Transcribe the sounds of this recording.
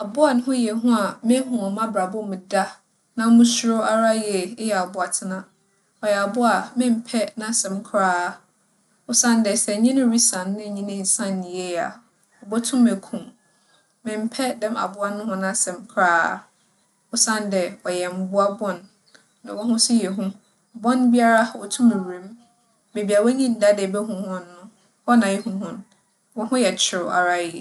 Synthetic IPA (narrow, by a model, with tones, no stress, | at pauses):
a˨bʊ˦a˨n˦hʊ̃˦jɛ˨ɦʊ̃˦a˨me˦ɦũ˨ɔ˨mã˦bɾa˨bʊ˦mũ˨da˦ | nã˦mũ˦su˦ɾo˦a˦ɾa˦jɛ˨˦jɛ˨a˨bʊ˦a˨tʰɪ˦nã˨ | ɔ˨jɛ˨a˨bʊ˦a˨mɪ̃˦m̩˦pʰɛ˦nã˦˨sɛ̃˨mkʰɾaː˦˨ | ʊ˦sã˦n˦dɛ˨sɛ˨ɲĩ˦nʊ̃˦ɾi˦sã˨nː˦ɪ̃˦˨ɲĩ˦nɪ̃˦˨n̩˨sã˦n˨nĩ˨e˦ja̰˨ | ɔ˨bɔ˦tʰũ˦me˨kʰũ˨m | mɪ̃˨m̩˦pʰɛ˦dɛ̃˦ma̰˨bʊ˦a˦nʊ̃˦ɦʊ̃˦nã˦˨sɛ̃˨mkʰɾaː˦˨ | ʊ˦sã˦n˦dɛ˨wɔ˨jɛ˨m̩˨bʊ˦a˦bɔ̃˦nː | ã̰˨wɔ˦hʊ̃˦sʊ˦jɛ˨ɦũ˦˨ | bɔ̃˦nbi˦a˦ɾa˦˨ɔ˨tʰũ˦mɛ˨wɾẽ˨m | me˨bi˨a˨wɔ˦ɲĩ˦n̩˦da˦dɛ˨bɛ˦ɦʊ̃˨hʊ̃˦nː˦ʊ̃˦ | ɔ˦nã˨jɛ˦hũ˦hʊ̃˦n | wɔ˦ɦʊ̃˦jɛ˨t͡ɕʰɪ˨ɾʊ˨a̰˨ɾa˦ji˨